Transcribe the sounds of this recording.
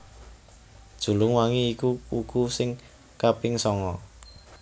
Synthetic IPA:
d̥ʒ̥ṳlʊŋwaŋiːkuukusɪŋ | kapɪŋsɔŋɔ

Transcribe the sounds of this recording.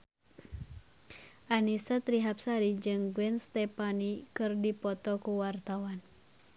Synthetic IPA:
ʔanisat̪ɾiɦapsaɾid͡ʒɨŋɡwɛnst̪ɛpanikɨrdipɔt̪ɔkuwart̪awan

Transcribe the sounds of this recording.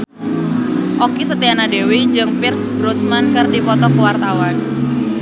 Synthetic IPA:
ʔɔkisət̪ianadewid͡ʒɨŋpɪrsbɾɔsmankɨrdipɔt̪ɔkəwart̪awan

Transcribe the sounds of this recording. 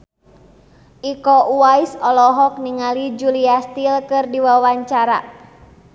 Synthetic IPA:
ʔikɔʔuaisɔlɔɦɔk̚niŋalid͡ʒuliast̪ilkɨrdiwawaɲt͡ʃaɾa̰

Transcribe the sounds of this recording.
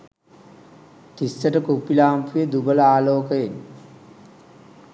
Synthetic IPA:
t̪isːəʈəkupːilaːmpujed̪ubələaːloːkəjen

